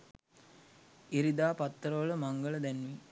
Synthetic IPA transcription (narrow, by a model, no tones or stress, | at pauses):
iɾid̪aːpat̪ːəɾəʋələmaŋɡələd̪ænʋi